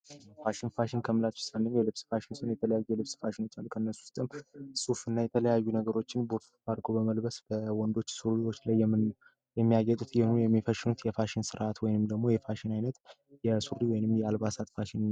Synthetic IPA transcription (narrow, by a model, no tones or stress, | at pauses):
faʃɪnfaʃɪnkʰəmɨlat̪t͡ʃɨ̥sanːɨɲjɛlɨβsfaʃɪnsɨnjɛt̪ʰələjajːujɛlɨβsfaʃɪno̞t͡ʃːalkʰənːəsu̥st̪ʼɨmsufɨnːajɛt̪ʰələjajːunəɡəɾo̞t͡ʃːɪnboɾt̪faɾɡo̞bəməlbəsbəwɔnd̪o̞t͡ʃːsuɾiwo̞t͡ʃːlajɛm | jɛmːijaɡɛt̪ʼut̪jɛnujɛmːifəʃɪnut̪jɛfaʃɪnsɨɾʔat̪wɔjɪnɨmd̪əɡmo̞jɛfaʃɪnajnət̪ | jɛsuɾiwɔjɪnɨmːjɛalβasat̪faʃɪn